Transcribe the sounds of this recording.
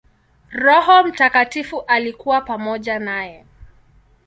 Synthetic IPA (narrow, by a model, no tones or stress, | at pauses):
ɾɔɦɔm̩takatifuʔalikuwapamɔʄanajɛ